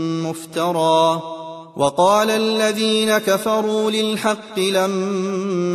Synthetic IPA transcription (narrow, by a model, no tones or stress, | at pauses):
mʊft̪ɑɾˤɑː | wʔɑqɑːlaʔlːaðiːnakafɑɾˤuːlɪlħɑqːɨlamː